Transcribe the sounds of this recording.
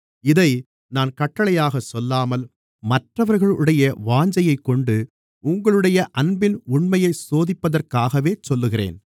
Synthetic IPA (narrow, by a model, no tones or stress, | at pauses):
ɪðɐɪ | naːnkɐʈːɐɭɐjaːɣɐsɔlːaːmɐl | mɐʈrɐʋɐɾɣɐɭɯɽɐjɐʋaːɲd͡ʒɐjɐɪkːɔɳɖɯ | ʊŋɡɐɭɯɽɐjɐʔɐnbɪnʊɳmɐjɐɪsoːðɪpːɐðɐrkaːɣɐʋeːt͡ʃɔlːɯɣɪrḛːn